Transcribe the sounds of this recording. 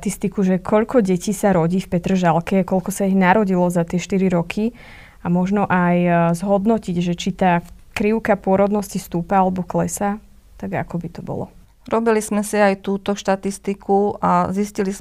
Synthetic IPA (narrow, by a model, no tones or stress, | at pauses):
t̪ist̪ikuʒɛkʰɔʎkɔɟɛciːsaɾɔɟiːfpɛt̪ɾʒalkɛkɔʎkɔsaiɣnaɾɔɟilɔzat̪ɪɛʃt̪iɾiɾɔkʰi | amɔʒnɔʔajzɦɔd̪nɔciɟʒɛt͡ʃit̪aːkɾiʊkapʊɔɾɔd̪nɔscist̪uːpaalɛbɔklɛsa | t̪aɡa̰kɔbit̪ɔbɔ̰lɔ̰ | ɾɔbilizmɛsiajt̪uːt̪ɔʃt̪at̪ist̪ikʰuaziscilis